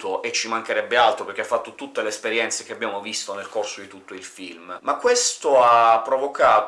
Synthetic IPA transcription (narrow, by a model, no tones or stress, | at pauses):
t̪oʔet͡ʃːimaŋkeɾɛbːealt̪ɾoperk̟eafːat̪ːot̪ut̪ːeleːspeɾjɛnt̪sek̟eabːjaːmovist̪onelkorsod̪it̪ut̪ːoilfḭlmmakːwest̪oapːɾovokaːt̪